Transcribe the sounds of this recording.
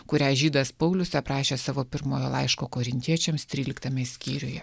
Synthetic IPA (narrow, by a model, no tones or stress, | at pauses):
kʊɾʲæːʒʲiːd̪ɐspɐʊlʲʊsʲɛpɾɑːʃʲeːsɑːʋoːpʲɪɾmoːjoːlˠɑɪʃkoːkoːɾʲɪnʲt̪ʲiɛt͡ʃʲɛmst̪ʲɾʲiːlʲɪkt̪ɐmʲɛsʲkʲiːɾʲʊjɛ